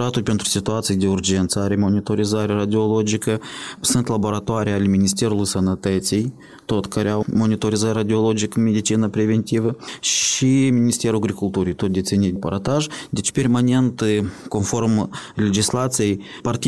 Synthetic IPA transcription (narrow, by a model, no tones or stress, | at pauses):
ɾat̪ulʲpʲent̪ɾu̥sʲit̪uat̪sijd̪eurd͡ʒe̞nt̪səaɾʲemo̞nʲit̪o̞ɾizaɾʲeaɾad̪ʲiolˠod͡ʒikəsɨnt̪labo̞ɾat̪oaɾʲijalʲemʲinis̬t̪ʲe̞ɾulˠujsənət̪ət̪sʲij | t̪o̞t̪kaɾʲeawmo̞nit̪o̞ɾizatʲrad̪ʲio̞lˠod͡ʒikmʲed̪it͡ʃinapɾʲevʲent̪ʲivəʃimʲinist̪ʲeɾuaɡɾikulˠt̪uɾijt̪ot̪̚d̪esʲenʲit̪ʲpaɾat̪aʒd̪ʲet͡ʃpermanʲe̞nt̪ko̞nfo̞rmlʲed͡ʒislat̪sijej | part̪ʲi